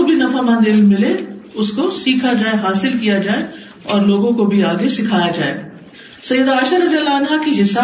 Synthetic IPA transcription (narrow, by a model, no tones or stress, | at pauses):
obʱinɐfamãnd̪ɪlmɪleʊskosiːkʰad͡ʒaːeɦaːsɪlkijad͡ʒaːe | ɔːɾloːɡõkobʱiaːɡesɪkʰaːjad͡ʒaːḛː | sɐjːəd̪aːʃaɾɐzijəlːaɐnɦakiɦɪsa